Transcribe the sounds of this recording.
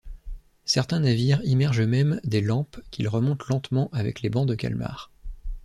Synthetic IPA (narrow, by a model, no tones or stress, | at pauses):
sɛʁt̪ɛ̃naviʁimɛʁʒəmɛmd̪elɑ̃pkʲʰilʁəmɔ̃t̪lɑ̃t̪mɑ̃ʔavɛ̰klebɑ̃d̪əkʲa̰lma̰ːʁ